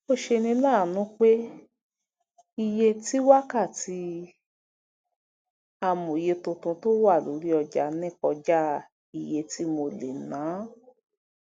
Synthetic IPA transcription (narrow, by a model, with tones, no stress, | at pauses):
mo˦ʃe˧nĩ˧lãː˦˨nũ˦k͡pe˦ | i˧je˧ti˦wa˦ka˦˨ti˨˦ | a˧mõ˨je˧tũ˧tũ˧to˦wa˦˨lo̰˨˦ɾi˦ɔ˧d͡ʒa˨nɛ̃˦˨kɔ˧d͡ʒa˦ | i˧˨je˧ti˦mo˧le˨nãː˨˦